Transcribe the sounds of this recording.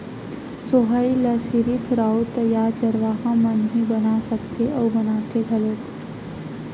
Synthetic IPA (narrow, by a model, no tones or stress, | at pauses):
soɦailɐsiɾipʰʊɾaːut̪ɐjaːɾt͡ʃɐɾʋaːɦãmɐnɦibɐnasɐkt̪eʔɔːɾbɐnaːt̪eɡʱɐloːk